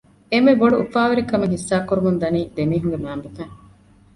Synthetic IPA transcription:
emeboɖuːfaːʋeɾikɐmeŋɦisːaːkːuɾumund̪ɐniːd̪emiːɦuŋɡemæːmbufæːŋ

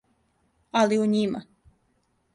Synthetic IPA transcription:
aliuɲima̰

